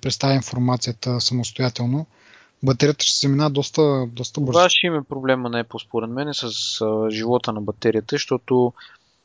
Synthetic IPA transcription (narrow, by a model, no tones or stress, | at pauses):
pɾɛt̪st̪avʲjəinfoɾmat̪sijət̪əsɐmost̪ojat̪ɛlˠno | bɐt̪ɛɾijət̪ə̥ʃt̪ɛzɐminavəd̪ɔst̪əd̪ɔst̪əbɤɾvaʃɛimɛpɾoblɛmənɐɛplˠspoɾɛd̪mɛnɛsəsʒivɔt̪ənɐbɐt̪ɛɾiət̪əʃt̪ɔt̪ʊ